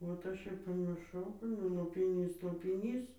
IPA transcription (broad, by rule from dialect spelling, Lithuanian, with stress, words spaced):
ʋɐt ˈɐʃ ɪr pɐmʲɪrˈʃɐʊ ˈnʊ lˠoːpʲɪˈnʲiːs lˠoːpʲɪˈnʲiːs